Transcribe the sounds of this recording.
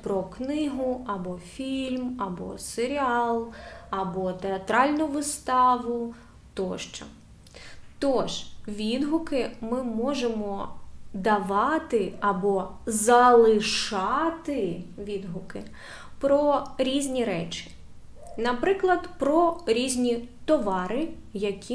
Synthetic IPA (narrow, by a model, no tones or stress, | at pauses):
pɾɔknɪɦʊɐbɔfʲilʲmɐbɔ̰seɾʲiɑlˠɐbɔt̪eɐt̪ɾɑlʲnʊʋɪst̪ɑʋʊ | t̪ɔʃt͡ʃɔ̰ | t̪ɔʒʋʲid̪ɦʊkɪmɪmɔʒemɔd̪ɐʋɑt̪ɪɐbɔzɐlˠɪʃɑt̪ɪʋʲid̪ɦʊkɪ | pɾɔɾʲizʲnʲiɾɛt͡ʃɪ̥ | nɐpɾɪklˠɐd̪pɾɔɾʲizʲnʲit̪ɔʋɑɾɪ | jɐkʲʰi